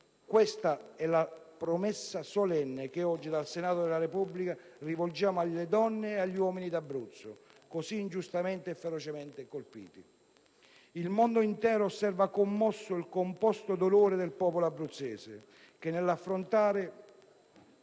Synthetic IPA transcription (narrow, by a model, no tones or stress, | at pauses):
kwest̪aɛlapɾomɛsːasolɛnːek̟eɔd͡ʒːid̪alsenaːt̪od̪elaɾepublikarivold͡ʒaːmoaʎːed̪ɔnːeeaʎːiwɔːminid̪abɾut̪sːokosiːnd͡ʒust̪ament̪eɛfːeɾot͡ʃement̪ekolpḭːt̪i | ilmond̪oint̪ɛːɾoːsːɛrvakomːɔsːʊilkompɔst̪od̪oloːɾed̪elpɔːpoloabːɾut̪sːɛ̰ːsḛ | k̟enːelːafːɾont̪aːɾɪ